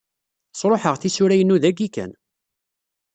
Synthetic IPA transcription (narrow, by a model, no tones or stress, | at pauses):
sˤɾˤoħəʁθisʊɾæjənːuðæɡikæ̰n